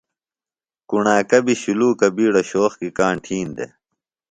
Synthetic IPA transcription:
kuɳaːkɐbiɕuluːkɐbiːɽɐɕoːxkikaːɳʈʰiːnd̪ḛ

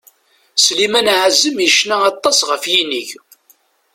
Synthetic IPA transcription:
slimænʕzəmjəʃnæɑt̪ˤːɑsʁəfjiniʝ

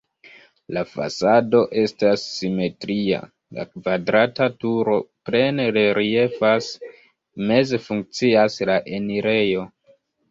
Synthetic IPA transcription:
lafa̰sado̞ʔe̞stasːime̞tɾia̰ | la̰kvadɾatatuɾo̞ple̞neleɾie̞fas | me̞ze̞fuŋk̚t͡siaslaʔe̞niɾe̞jo̞

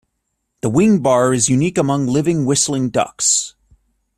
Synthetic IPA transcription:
ðəwɪ̃ŋbɑɹɨzjʉnikəmʌ̃ŋlɪvɪ̃ŋwɪsl̩ˠɪ̃ŋdʌ̰ks

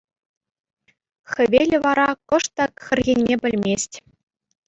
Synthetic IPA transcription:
xɘ̆ʋʲelʲɘ̆ʋɑɾɑkɤ̆ʂt̪ɑkxʲɘ̆rʲɣʲenʲːebʲɘ̆lʲmʲesʲtʲ

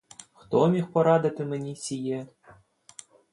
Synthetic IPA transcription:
xt̪omʲixpoɾɑd̪at̪ʲɘ̆mʲɘ̆nʲisʲije

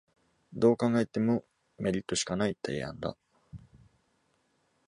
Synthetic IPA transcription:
d̪o̞ːkãŋɡaet̪e̞mo | me̞ɾʲit̪ːo̞ɕi̥kanait̪ʰajã̰nd̪a̰

